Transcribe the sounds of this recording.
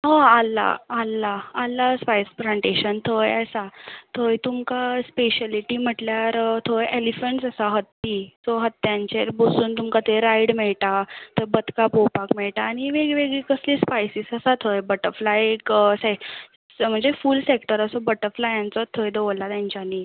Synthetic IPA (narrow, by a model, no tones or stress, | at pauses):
ɦə̃alːa̰ːlːaːlːaspajsfɾãɳʈeɕənt̪ʰəjəsat̪ʰəjt̪umkaspeɕaliʈim̤əʈljaɾt̪ʰəjelifəɳʈsəsaɦət̪ːisɔɦət̪ːjaɲt͡ɕeɾbosuːnt̪umkat̪eɾaiɽmeɭʈat̪ebət̪kapowpakmeɭʈaːɽ̃iʋeɡʋeɡɭikəsliːspajsisəsat̪ʰəjbəʈəɾflajeksa | m̤əɳd͡zefuːlsekʈəɾəsɔbəʈəɾflajant͡sɔt̪ʰəjd̪əʋəlat̪jãɲt͡ɕjani